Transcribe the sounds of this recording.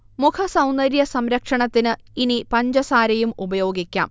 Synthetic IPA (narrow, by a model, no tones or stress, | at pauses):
mukʰɐsɐwnd̪ɐɾjɐsɐmɾɐkʂɐɳɐt̪ːinɨinipɐɲd͡ʑɐsaːɾɐjumubɐjo̞ːɡikʲːa̰ːm